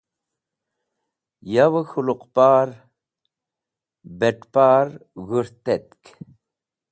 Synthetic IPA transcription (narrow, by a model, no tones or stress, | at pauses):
jawəxuluqpaːɾ | beʈpaːɾɣuɾt̪et̪k